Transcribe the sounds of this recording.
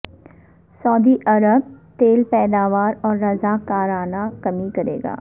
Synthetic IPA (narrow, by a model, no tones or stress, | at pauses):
sɔːd̪iʔɐɾəb̚t̪eːlpɛːd̪aːʋaːɾɔːɾːɐzakaːɾaːnakɐmikɐɾḛːɡa̰ː